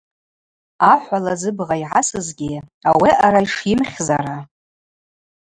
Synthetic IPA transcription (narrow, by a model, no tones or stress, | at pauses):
aħʷalazɨbʁaiʕasɨzɡʲɪawiʔaɾajʂimχʲza̰ɾa